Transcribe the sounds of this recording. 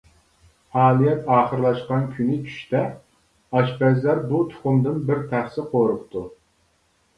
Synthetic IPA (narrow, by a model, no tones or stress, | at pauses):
ɑːlˠijɛt̪ʰɑːχəɾlˠɑʃqɑnkʲʰynɪt͡ʃʰy̥ʃt̪ɛ | ɑʃpɛzlæɾbut̪ʰʊ̥χʊmd̪ɨnbɪɾt̪ʰæχsɪqʰoɾʊpt̪u